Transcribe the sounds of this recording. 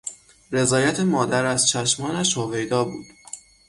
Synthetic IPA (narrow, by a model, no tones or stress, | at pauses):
ɾe̞zɒːjæt̪ʰemɒːd̪æɾæzt͡ʃʰæʃmɒːnæʃhove̞jd̪ɒːbṵːd̪̥